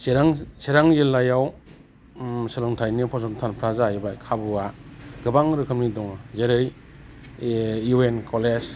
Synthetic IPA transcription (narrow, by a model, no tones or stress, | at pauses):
seɾaŋseɾaŋjilːajaw | sɯlɯŋtʰajnipʰɔsɔntʰanpʰɾazaibajkʰabuaɡɯbaŋɾɯkʰɯmnidɔŋazeɾɯj | uenkʰɔlez